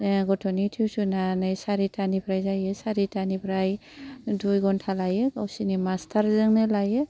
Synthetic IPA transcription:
ɡɔtʰɔnitʰiwsunanɯjsaɾitʰanipʰɾajzajɯsaɾitanipʰɾaj | dujɡɔntʰalajɯkawsinimastʰaɾzɯŋnɯlajɯ

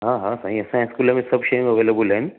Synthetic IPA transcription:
ɦãːɦãsaːɦĩɐsãɦɛ̃skuːlãmẽsɐbʃejĩŋɡɐʋeːlebəlɦɛ̃n

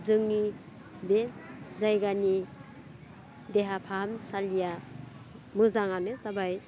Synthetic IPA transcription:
zɯŋni | bezajɡani | deɦapʰamsalija | mɯzaŋanet͡sabaj

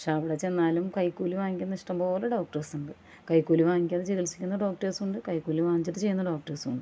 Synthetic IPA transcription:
ʂeɐʋiɽet͡ɕenːaːlumkɐjkːuːliʋaːŋikʲːunːɐiʂʈɐmbo̞ːleɖoːk̚ʈɐrsuɳɖɨ | kɐjkːuːliʋaːŋikʲːɐðɨt͡ɕeɣilt͡ɕːi̥kʲːunːɐɖo̞ːk̚ʈɐsuɳɖɨkɐjkːuːliʋaːŋit͡ɕːɐt̪ːɨt͡ɕe̞junːɐɖo̞ːk̚ʈɐsuɳɖɨ

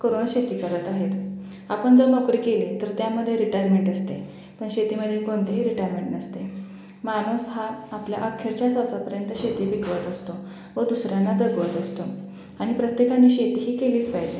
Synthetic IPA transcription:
koɾoːɳɕet̪iːkəɾət̪aɦet̪ | apəɳd͡zənəkɾiːkelet̪əɾt̪jaməd̪ʱːjeɾiʈajɾmeɳʈəst̪e | pəɳɕet̪iːməd̪ʱːjekoɳt̪eɦiːɾiʈajɾmeɳʈnəst̪e | manusɦaːplja̰ʔəkʰːeɾt͡ɕjasasapəɾjənt̪əɕet̪iːbikʋət̪əst̪o | ʋəd̪usɾjanːad͡zəɡʋət̪əst̪o | aɽ̃ipɾət̪jekanːiːɕet̪iːɦiːkeliːspajd͡ʑe

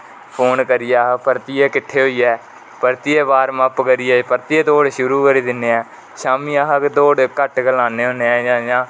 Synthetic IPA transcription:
pʰoːnkəɾɪjaːɦpəɾt̪iːɛːkɪʈʰːeːɦoːiːɛː | pəɾt̪iːɛːbaːɾməpkəɾiːɛːpəɾt̪ieːd̪oːɽʃʊɾuːkəɾiːd̪ɪnːeːɛː | ʃaːmiːaːɦəkd̪oːɽkəʈɡəlaːneːɦõːneːɛːd͡ʒãːd͡ʒãː

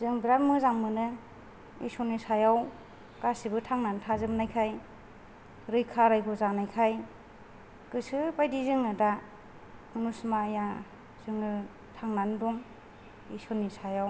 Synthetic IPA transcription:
zɯŋbiɾatmɯzaŋmɯnɯ | ḭsɔnisajaw | kasibɯtʰaŋnantʰazɯmnajkʰaj | ɾɯjkʰaɾajɡʰɔzanajkʰaj | kɯsɯbajdizɯŋɯda | ɯnusmaja | z̥ɯŋɯ | tʰaŋnandɔŋ | isɔnːisajaw

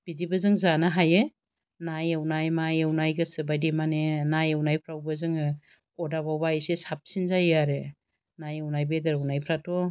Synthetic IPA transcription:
b̥idibɯzɯŋzanaɦaje | najewnajmajewnajɡɯsɯbajdimanenajewnajpʰɾawbɯzɯŋɯ | ɔdabawbajsesap̚sinzajaɾe | najewnajbedɯɾawnajpʰɾato

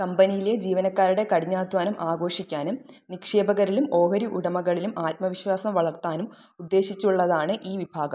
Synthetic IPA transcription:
kɐmbɐnijiled͡ʑiːʋɐnɐkːaːɾuɽe̞kɐɽiɲːaːd̪ʱwaːnɐmʔaːɡo̞ːʂikʲːaːnumnikʂe̞ːbɐɣɐɾilumo̞ːɦɐɾiʔuɽɐmɐɣɐɭilumʔaːt̪̚mɐʋiɕwaːsɐmʋɐɭɐrt̪aːnum | ud̪ːe̞ːɕit͡ɕːuɭːɐðaːɳɨʔiːʋibʱaːɡɐ

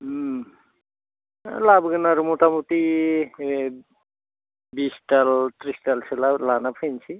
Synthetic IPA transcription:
labɡənaɾumoʈamut̪i | bisʈalt̪ɾisʈalsʰelalanapʰənt͡ʃʰi

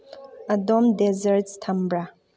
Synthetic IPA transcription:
adomdɛzərttʰambra

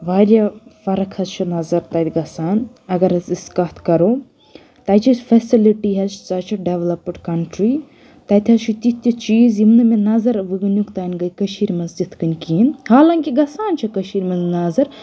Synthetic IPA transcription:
ʋaːɾʲjɐfɐɾɐkʰɐzt͡ʃʰunɐzɐɾt̪ɐt̪ʲiɡɐsaːnɐɡɐɾɐziskɐt̪ʰkɐɾoː | t̪ɐːt͡ʃʰifɐsiliʈiɦɐzsɐt͡ʃʰɐɖeʋlɐpɖkɐɳʈɾi | t̪ɐt̪ʲʰɐzt͡ʃʰut̪it̪ʲːɐt͡ʃiːzjimnɐmenɐzɐɾʋɨɡɨnjukt̪aːnʲɡɐkɐʃiːɾmɐzd͡ʒit̪ʰkɨnʲkiːnhaːlɐŋkiɡɐsaːnt͡ʃʰɐkɐʃiːɾmɐnznɐzɐɾ

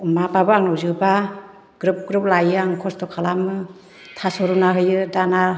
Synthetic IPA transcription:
mapabɯaŋnɔwzɯba | ɡ̥ɾup̚ɡɾɯp̚lajaŋkʰɔstɔkʰalamɯ | tʰasɔɾunaɦɯjɯdana

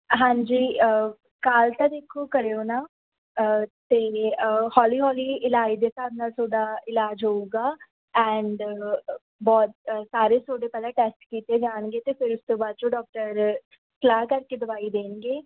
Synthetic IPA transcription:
ɦãːɲd͡ʒiːə | kaːlt̪aːd̪eːkʰːoːkəɾeːonaː | t̪eːhɔːliːɦɔːliːɪlaːiːd̪eːsaːd̪naːlsoːɖaːɪlaːd͡ʒɦoːuːɡaː | ɛ̃ːɳɖ | bɔːt̪̚saːɾeːsoːɖeːpɛːlãːʈɛːsʈkiːt̪eːd͡ʒaːɳɡeːt̪eːpʰɪɾʊst̪õːbaːd̪̚t͡ʃõːɖɔːk̚ʈəɾ | klaːkəɾkeːd̪əbaːiːd̪eːnɡeː

